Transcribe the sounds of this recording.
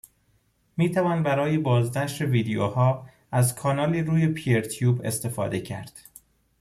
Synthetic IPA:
miːt̪ʰævɒːnbæɾɒːjebɒːzd̪æʃt̪eviːd̪eo̰ːhɒː | æzkʰɒːnɒːliːɾuːje̞pʰieɾt̪ʰjuːbḛst̪e̞fɒ̰ːd̪e̞cʰæ̰ɾd̪̥

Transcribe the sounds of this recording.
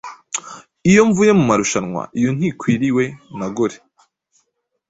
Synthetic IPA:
ijo̞ɱvujemumaɾuʃanŋwa̰ʔijon̥ikwiːɾiwe̞naɡoɾe

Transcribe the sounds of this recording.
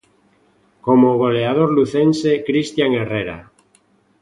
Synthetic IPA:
komoɣ̞oleað̞oɾluθensekɾist̪jaŋereɾa̰

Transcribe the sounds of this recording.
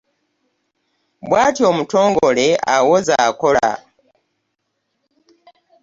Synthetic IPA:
bwaːtiomutoːŋɡoleʔawozaːkola̰

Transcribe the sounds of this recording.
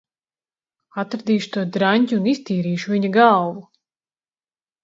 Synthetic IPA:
at̪ɾad̪iːʃu̥t̪uɔd̪ɾanʲt̪ʲuunist̪ʲiːɾiːʃuviɲiɡalˠvu

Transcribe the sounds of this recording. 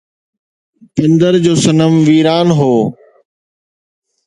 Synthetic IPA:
kɪnd̪əɾd͡ʑoːsʊnəmʋiːɾaːnɦoː

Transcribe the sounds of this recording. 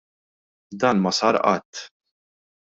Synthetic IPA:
d̪ɐːnmɐsɐːɾʔɐ̰t̪ː

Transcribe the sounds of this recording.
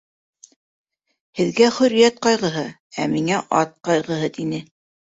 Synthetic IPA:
hɘ̆ðɡæχɵ̆ɾjæt̪̚qɑjʁɤ̆ɦɤ | æmiŋæʔɑt̪̚qɑjʁɤ̆ɦɤt̪inɘ

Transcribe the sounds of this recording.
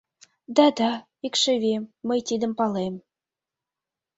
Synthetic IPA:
d̪ɑd̪ɑ | ikʃɘ̆βʲemmːəjt̪id̪ə̆mpɑlem

